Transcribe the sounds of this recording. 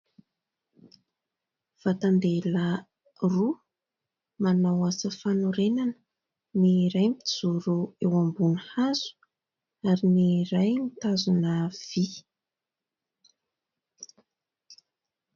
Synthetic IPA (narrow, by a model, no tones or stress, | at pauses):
v̥at̪and̪elə | ru | manawasəfanuɾenanə̥ | niɾajmit̪iz̥uɾuewambunəhazu̥ | aɾiniɾajmit̪azunəv̥i